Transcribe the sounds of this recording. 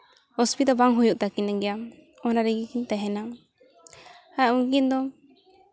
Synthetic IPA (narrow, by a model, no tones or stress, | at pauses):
hɔspit̪ɔbaŋɦujuʔt̪akinaŋɡɛja | ɔnaɾiɡikint̪aɦɛna | ajaunk̬ind̪ɔ